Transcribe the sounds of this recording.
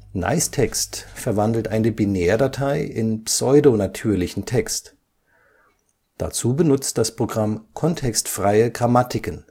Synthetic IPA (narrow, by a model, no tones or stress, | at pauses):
na̰ɪstʰɛkstfɛɐvandl̩tʔaɪnəbinɛːɐdatʰaɪʔɪnpsɔʏdonatʰyːɐlɪçn̩tʰɛkst | d̥a̰t͡suːbənʊt͡st̚d̥aspʁ̥oɡʁamkʰɔntʰɛkstfʁ̥aɪəɡʁamatʰɪkən